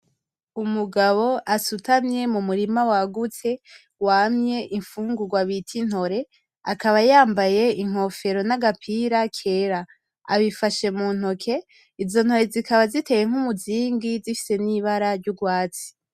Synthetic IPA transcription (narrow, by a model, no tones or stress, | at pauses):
umuɡaβo̞ʔasutʰamɲe̞mumuɾimawaɡut͡se̞ | waːmɲe̞ʔiɱfuːŋɡuɡwaβitʰin̥ho̞ɾe̞ | akaβajaːmbaje̞iŋ̥o̞fe̞ɾo̞naɡapʰiːɾakʰe̞ːɾa | a̰βifaʃe̞muːn̥ho̞kʰe̞ | izo̞n̥ho̞ɾe̞zikaβazitʰe̞jeŋ̥humuziːŋɡizifi̥se̞niβaɾaɾɟuɡwaːt͡si̥